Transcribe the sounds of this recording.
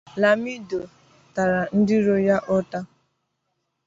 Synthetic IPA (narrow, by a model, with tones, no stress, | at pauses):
la˨mi˦do˨ | ta˨ɾa˨n̩˦dɪ˦ɾo˦ja˦ʔɔ˦ta˦